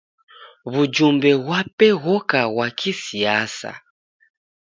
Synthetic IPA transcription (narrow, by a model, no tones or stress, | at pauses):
βud͡ʒumbɛβwapɛɣɔkawakʰisiasa̰